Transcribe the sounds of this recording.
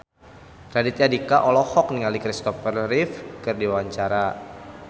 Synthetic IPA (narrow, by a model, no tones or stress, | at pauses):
radɪt̪̚ɲadikaʔɔlɔhɔk̚niŋalikɾist̪ɔfərrifkɨrdiwaɲt͡ʃaɾa